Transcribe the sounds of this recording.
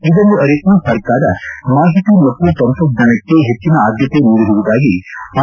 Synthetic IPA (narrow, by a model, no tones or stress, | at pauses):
id̪ond̪uɐɾiknusɐɾkaːɾɐmaːɦit̪ilɐkːut̪ɐnt̪ɐd͡ʒɐnɐkːeɦet͡ʃːinɐaːd̪ʱjɐt̪enuːɽiɦuʋud̪aːɡi